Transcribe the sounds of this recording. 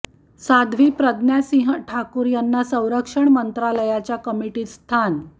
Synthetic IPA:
sad̪ʱʋiːpɾəd̪njasĩɦʈʰakuːɾjanːasə̃w̃ɾəkʂəɳmənt̪ɾaləjat͡ɕjakəmiʈiːst̪ʰan

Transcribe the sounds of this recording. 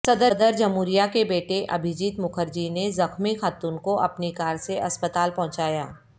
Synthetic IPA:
sɐd̪əd̪əɾd͡ʒɐmuːɾijakebeːʈeʔɐ̰bʱɪd͡ʒiːt̪mʊkʰəɾd͡ʒinezɐxmixaːt̪uːnkoʔɐpnikaːɾseʔɐspət̪aːlpɐ̃ɦt͡ʃaːjaː

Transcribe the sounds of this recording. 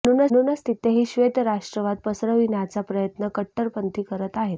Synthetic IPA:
ənuːnənunəst̪it̪eɦiːɕʋet̪jəɾaʂʈɾəʋad̪̚pəsɾəʋinjat͡sapɾəjət̪nəkəʈːəɾpənt̪iːkəɾət̪aɦet̪

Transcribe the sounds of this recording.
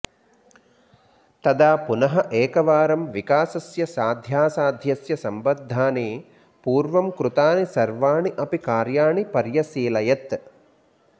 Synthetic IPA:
t̪ɐd̪aːpunɐɦɐʔeːkɐʋaːɾɐmʋikaːsɐsjɐsaːd̪ʱjaːsaːd̪ʱjɐsjɐsɐmbɐd̪ʱːaːneː | puːɾʋɐmkɾut̪aːnisɐɾʋaːɳiʔɐpikaːɾjaːɳipɐɾjɐsiːlɐjɐt̪

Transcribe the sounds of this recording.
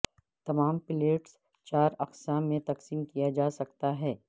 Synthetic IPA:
t̪ɐmaːmpɪleːʈs | t͡ʃaːɾɐqsaːmːẽt̪ɐqsiːmkijad͡ʒaːsɐkt̪aɦɛː

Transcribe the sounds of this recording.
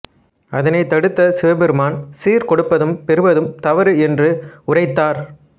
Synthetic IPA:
ɐðɐnɐɪt̪ːɐɽɯt̪ːɐsɪʋɐbɛɾɯmaːnsiːɾkɔɽɯpːɐðɯmpɛɾɯbɐðɯmt̪ɐʋɐɾɯɛndrɯʊrɐɪt̪ːaːɾ

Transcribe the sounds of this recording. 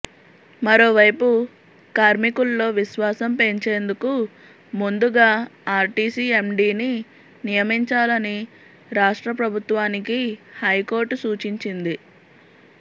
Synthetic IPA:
mɐɾo̞ːʋɐjpu | kaːɾmikulːo̞ːʋiʃʋaːsɐmpe̞ɲt͡ʃe̞ːnd̪uku | mund̪uɡaːaːɾʈiːsie̞mɖiːni | nijɐmiɲt͡ʃaːlɐni | ɾaːʂʈɾɐpɾɐbʱut̪ʋaːnikihɐjko̞ːɾʈsuːt͡ʃiɲt͡ʃind̪i

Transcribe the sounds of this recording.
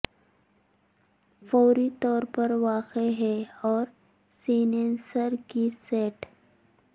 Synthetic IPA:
fɔːɾit̪ɔːɾpɐɾʋaːqeɦɛɔːɾ | siːnẽːnsəɾkiseːʈ

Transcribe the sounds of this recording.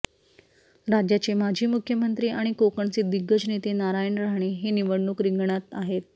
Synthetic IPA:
ɾad͡ʑjat͡ɕemad͡ʑʱiːmukʰjəmənt̪ɾiːʔaɽ̃ikokəɳt͡sed̪iɡːət͡snet̪enaɾajənɾaɦɳ̃eɦeniʋəɽnuːkɾiŋɡɳ̃at̪aɦet̪̚

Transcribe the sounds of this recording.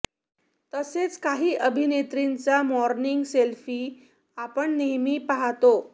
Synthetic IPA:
t̪əset͡skaɦiːʔəbʱinet̪ɾint͡samɔɾniŋɡselfiː | apəɳnemiːpaɦat̪o

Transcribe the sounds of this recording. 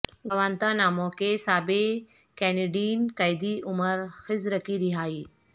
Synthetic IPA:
ɡɐʋãːnt̪ãnaːmoːkesaːbe | kɛːneɖiːnkɐjd̪iʔʊməɾxɪzɾɐkʰiɾɪɦaːiː

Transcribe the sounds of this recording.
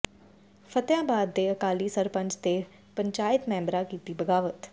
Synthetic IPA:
fʰət̪jãːbaːd̪ːeəkaːliːsəɾpə̃ɲd͡ʒt̪eː | pəɲt͡ʃaːɪt̪mɛ̃ːmbɾãːkiːt̪iːbəɡaːʋət̪

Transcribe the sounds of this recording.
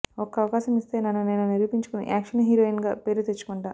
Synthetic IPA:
ɔkɐɐʋɐkaːʃɐmist̪e̞ːnɐnːune̞ːnuniɾʋupiɲt͡ʃu̥kunḭʔaːkʂɐnɦiːɾoːinɡaːpe̞ːɾut̪et͡ʃːu̥kuɳɖaː

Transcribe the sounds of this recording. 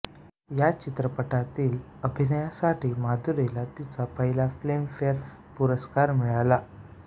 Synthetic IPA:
jat͡ɕit̪ɾəpəʈat̪iːl | əbʱinəjasaʈiːmad̪ʱuɾelat̪it͡sapəɦilaflemfeɾ | puɾəskaɾmiɭala

